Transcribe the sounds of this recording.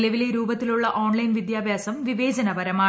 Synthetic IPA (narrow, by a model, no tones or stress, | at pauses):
lɐʋile̞ɾuːbɐt̪ːiluɭːɐʔo̞ːɳlɐjnʋid̪jaːbʱjaːsɐmʋiʋe̞ːd͡ʑɐnɐbɐɾɐmaː